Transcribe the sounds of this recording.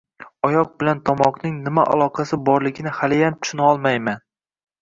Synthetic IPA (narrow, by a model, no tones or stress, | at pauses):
ɒjɒq̚bɪlant̪ʰɒmɒqnɪŋnɪmaʔa̰lˠɒqʰɑsɪbɒɾlɪɡʲɪnɪhalɪjant̪ʰʊ̥ʃʊnɒlˠmajman